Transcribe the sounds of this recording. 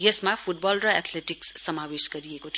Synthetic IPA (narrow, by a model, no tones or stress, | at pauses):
jesmapʰuʈ̚bʌlrʌɛt̪ʰleʈiksːʌmawesɡʌɾiekot̪ʰ